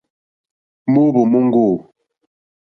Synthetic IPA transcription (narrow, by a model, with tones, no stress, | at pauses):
mo˦bo˨mo˦ŋ˦ɡo˦˨